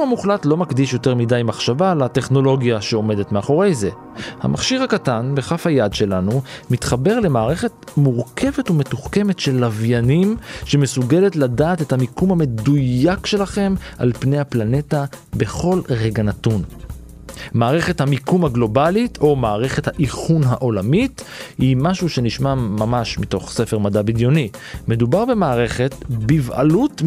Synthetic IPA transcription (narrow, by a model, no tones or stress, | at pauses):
amuχlatlo̞makdiʃjo̞teʁmidajmaχʃavalate̞χno̞lo̞ɡjaʃeo̞me̞detme̞aχo̞ʁe̞jze̞ | ha̰mʔaχʃiʁhakatanbe̞χafhajadʃe̞lanumitχabe̞ʁle̞maːʁe̞χe̞tmuʁkʰe̞ve̞tume̞tuχke̞me̞tʃe̞lavjanimʃe̞me̞suɡe̞le̞tladaːte̞thamikumhame̞dujakʃe̞laχe̞mʔa̰lpnejhaplane̞tabe̞χo̞lʁeɡanatun | maːʁe̞χe̞thamikumhaɡlo̞balitʰo̞maːʁeχe̞thaʔiχunɦaʔo̞lamithimaʃuʃe̞niʃmamamaʃmito̞χse̞feʁmadabidjo̞nime̞dubaʁbe̞maːʁe̞χe̞tbiva̰lut